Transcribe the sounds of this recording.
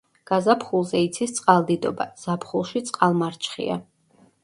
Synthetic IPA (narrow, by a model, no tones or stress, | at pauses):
ɡ̥azapχulˠzɛit̪sʰist̪sʼqʼalˠd̪id̪ɔba̰z̥apʰχulˠʃit̪sʼqʼalˠmaɾt͡ʃʰχḭa̰